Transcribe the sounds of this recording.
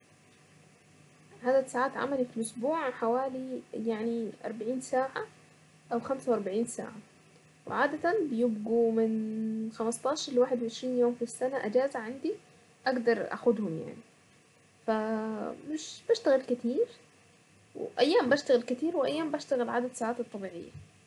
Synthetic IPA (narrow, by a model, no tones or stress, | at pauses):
ʕaːd̪asaːʕaːt̪ʕa̰malifilʔʊsbuːʕħawaːlijaʕniʔɑ̰ɾˤbaʕiːnsaːʕa | ʔawxamsawʔɑɾˤbaʕiːnsa̰ːʕa | wɪ̰ʕaːd̪at̪anbɪjɪb̚ɡumɪnxamɑst̪ˤɑːʃɑɾˤlwaːħɪd̪wɪʕɪʃɾiːnjoːmfisːanaʔad͡ʒaːzaʕand̪i | ʔaɡd̪ɑɾˤʔa̰xʊd̪hʊmja̰ʕni | famɪʃb̥aʃt̪aɣɪlkɪt̪iːɾ | wɪ̰ʔajːaːmbaʃt̪aɣɪlkɪt̪iːɾwɪʔajːaːmbaʃt̪aɣɪlʕaːd̪ad̪saːʕaːt̪ɨt̪ˤːɑbiːʕɪ̰jːa̰